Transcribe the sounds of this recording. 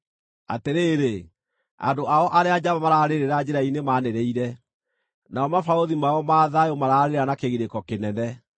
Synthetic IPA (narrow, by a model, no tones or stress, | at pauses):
a̰teɾeːɾe | a̰ndoʔaɔʔaɾead͡ʑaβamaɾaɾeɾeɾad͡ʑɛɾainemaːneɾeiɾɛ | naɔmafaoðimaɔmaːðajomaɾaɾeɾanakeɣiɾekɔkenɛnɛ